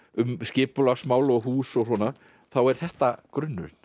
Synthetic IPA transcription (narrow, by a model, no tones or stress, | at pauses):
ʏmscɪːpʏlaɣsmaːwlɔɣɦuːsɔɣsɔna | θawɛɾ̥θɛht̪akɾʏnːʏ̰ɾn̥